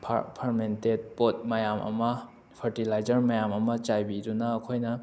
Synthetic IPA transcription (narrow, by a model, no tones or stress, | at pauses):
pʰpʰɐɾmented̚pot̚mɐjamʔɐ̰mɐ | pʰɐɾtilajd͡ʒɐɾmɐjamɐmɐt͡ʃajbidunɐːkʰojnɐ